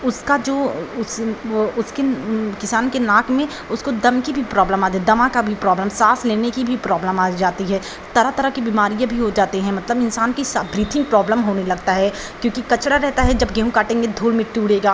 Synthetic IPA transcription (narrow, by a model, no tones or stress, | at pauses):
ʊskad͡ʒoːʊsʊskekɪsaːnkenaːkmẽ | ʊskod̪ɐmkibʱipɾɔːbləmaːd̪ed̪ɐmãkabʱipɾɔːbləmsaːsleːnekibʱipɾɔːbləmaːd͡ʒaːt̪iɦɛː | t̪ɐɾat̪ɐɾəkibiːmaːɾijãbʱiɦod͡ʒaːt̪eɦɛ̃mɐt̪ləbɪnsaːnkisabɾiːt̪ʰɪ̃ŋɡ̚pɾɔːbləmɦoːnelɐɡt̪aɦɛ | kjõːkikɐt͡ʃɽaɾɛɦt̪aɦɛd͡ʒɐbɡɛːɦũkaːʈẽːŋɡed̪ʱuːlmɪ̃ʈuːɽeːɡaː